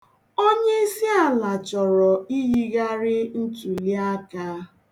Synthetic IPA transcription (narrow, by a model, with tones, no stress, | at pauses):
o˦ɲe˦i˦si˦a˨la˨t͡ʃɔ˨ɾɔ˨i˦ɦi˦ɣa˦ɾɪ˦n̩˦t͡ʃu˨li˦a˦ka˦